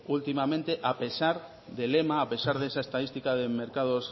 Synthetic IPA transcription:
ult̪imamẽnt̪eʔape̞saɾ | ðelemaːpe̞saɾðesaest̪að̞ist̪ikaðemeɾkað̞os

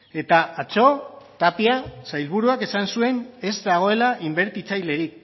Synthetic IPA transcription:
e̞t̪aat͡so̞t̪apiasajlβ̞uɾuake̞sansue̞ne̞zd̪aɣ̞o̞e̞laʔimbe̞ɾt̪it͡sajle̞ɾik

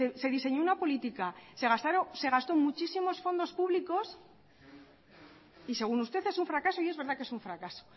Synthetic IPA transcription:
ese̞ðise̞ɲo̞unapo̞lit̪ikase̞ɣ̞ast̪aɾose̞ɣ̞ast̪o̞mut͡ʃisimo̞sfo̞nd̪o̞spuβliko̞s | ise̞ɣ̞unust̪e̞θe̞suɱfɾakaso̞ie̞zβe̞ɾðake̞suɱfɾakaso̞̥

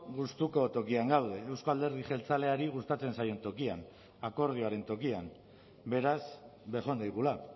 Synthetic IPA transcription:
ɣust̪uko̞t̪o̞kiaŋɡawð̞e̞ːwskoald̪e̞ɾð̞iʝe̞lt͡sale̞aɾiɣ̞ust̪at͡se̞nsajo̞nt̪o̞kian | ako̞ɾð̞io̞aɾe̞nt̪o̞kiam | be̞ɾasβe̞ʝo̞nd̪ajɣula

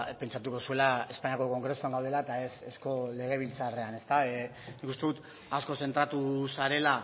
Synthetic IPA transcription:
pe̞nt͡ʃat̪uko̞sue̞lae̞spaɲiako̞ko̞ŋɡɾe̞suaŋɡawðe̞laet̪ae̞sesko̞le̞ɣ̞e̞β̞ilt͡sare̞ane̞st̪a | nikust̪e̞ðut̪ | asko̞se̞nt̪ɾat̪usaɾe̞la

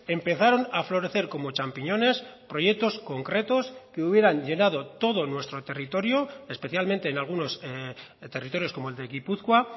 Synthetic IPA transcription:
e̞mpe̞θaɾo̞naflo̞ɾe̞θe̞ɾko̞mo̞t͡ʃampiɲo̞ne̞spɾo̞je̞k̚t̪o̞sko̞ŋkɾe̞t̪o̞skeuβje̞ɾaɲʝe̞nað̞o̞t̪o̞ðo̞nwe̞st̪ɾo̞t̪e̞rit̪o̞ɾjoespe̞θjalmẽ̞nt̪e̞ːnalɣ̞uno̞st̪e̞rit̪o̞ɾjosko̞moe̞ld̪e̞ɣipuθkwa

